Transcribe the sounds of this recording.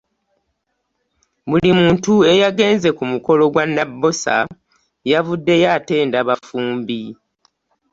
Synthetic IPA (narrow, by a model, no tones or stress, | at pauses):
βulimuːntue̞jaɡe̞ːnze̞kumuko̞lo̞ɡwanːabːo̞sa̰ | javudːe̞jaːte̞ːndaβafuːmbi